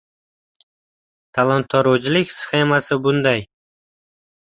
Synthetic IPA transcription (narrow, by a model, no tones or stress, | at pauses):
t̪ʰalˠant̪ʰːɒɾod͡ʒɪlɪkʲsχe̞masɪbʊnd̪aj